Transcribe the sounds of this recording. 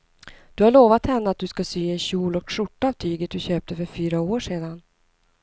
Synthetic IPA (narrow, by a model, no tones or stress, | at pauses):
d̪̥ɵhaɭoːvat̪hɛnːəat̪̚d̪ɵskasyːɛnɕuːlɔkʂʊʈːaːvt̪ʰyːɡət̪̚d̪ɵɕøːp̚t̪əfœɾfyːɾaoːʂeːd̪an